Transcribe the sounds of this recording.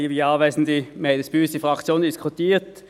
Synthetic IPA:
ʋiːɑːʋæɪsn̩dimeɪd̪əsb̥yːstifʁɑkt̪t͡sjoːnd̪ɪskʰʊt̪ʰiːʁt̪

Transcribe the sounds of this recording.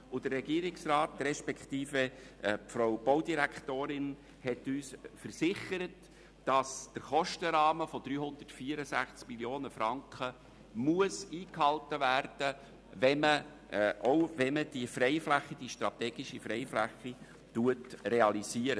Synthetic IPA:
ʊd̥ərːɛɡiːəɾɪksrɑːt̪rɛʃpɛkχt̪iːfəpfɾoʊb̥owdiɾæktoːɾɪn | hɛtyːsfəɾsɪχəɾət | d̥ɑsd̥əɾχɔʃtəɾɑːməfod̥ɾyːhʊnd̪ətfiəɾəsæχt͡skmiljoːnəfɾɑŋkχə | muəsiːkhɑltəvæɾd̥ə | vɛmə | ʔoʊvɛməd̥ifrɛɪflæχːid̥iːʃtɾɑt̪ɛːɡ̥iʃifɾɛɪflæχːi | tuətreɑliziːəɾə

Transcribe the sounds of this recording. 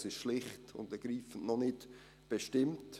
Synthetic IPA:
sɪʃʃlɪχtʊ̰ndəɡ̥ɾiːfən̩nɔnɪt | b̥eʃtɪmt

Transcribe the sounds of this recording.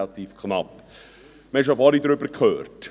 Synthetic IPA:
lɑt̪iːfkʰnɑp | məɛʃ̬ofɑlid̪ɾʏbəkʰøːrt

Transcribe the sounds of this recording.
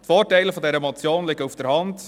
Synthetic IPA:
tfɔːrtɛɪləfɔdɛɾəmɔt͡sjoːnlɪɡəufd̥əɾhɑnd

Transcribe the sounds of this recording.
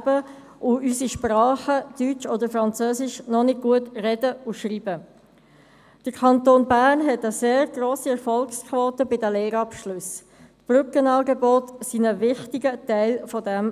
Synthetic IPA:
bə | ʔʊysiʃprɑːχəd̥yt͡ʃɔd̪əɾfɾɑnt͡søːsɪʃnɔnɪɡ̚ɡ̥uətrɛdəʊʃriːbə | d̥əɾkʰɑnt̪oːnbæːɾnɦɛtəseːɾɡɾoːsiɛɾfɔlkskʰvoːtəbɪdæleːɾɑpʃlʉs | tb̥rʏkənɑːɡɛbɔtsinəvɪχtɪɡətæɪlfɔdɛm

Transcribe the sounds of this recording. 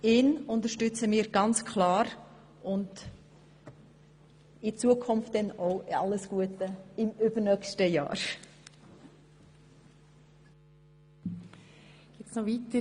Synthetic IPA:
ɪnʊntəʃtʏt͡səmɪːɾɡɑnt͡skʰlɑːɾ | ʔʊnd | ɪt͡suəkʰʊnft̚dɛnoʊɑ̰ləsɡ̥uətəɪmʏbənœkʃtəjɑ̰ːɾ | ɡ̥ɪtsnɔviːtə

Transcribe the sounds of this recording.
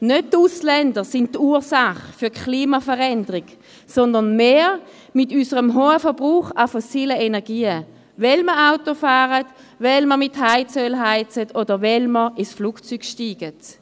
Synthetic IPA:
nøt̚tuslɛndəsɪnttːuːsaχfyɐkʰliːmafəʁɛndəʁik | sɔndənmeː | mɪtysəʁəmɦoːəfəɐb̥ʁuːχafosiːləenɛɐɡiːə | vɛlməaʊtofaːʁət | vɛlməmɪthaɪt͡sølɦaɪt͡sətʰodəvɛlməɪsfluːkt͡syɡʃtiːɡ̥ət

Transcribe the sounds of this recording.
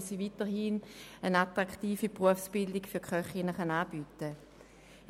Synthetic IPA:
sivitəɦinənatʁaktiːfipʁuəfsb̥ɪldikfʏɐkχœχinəχanaːb̥yːtə

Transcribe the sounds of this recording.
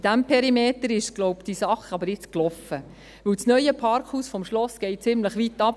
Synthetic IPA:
id̥æmpʰɛɾimeːtəɾɪʃɡ̥lɔʊpd̥isɑχɑbəɾɪt͡sklɔfə | ʋɵwt͡snœʏəpʰɑɾkhuːsfɔmʃlɔsɡ̥ɛɪt̚t͡sɪmləχʋitɑp̚

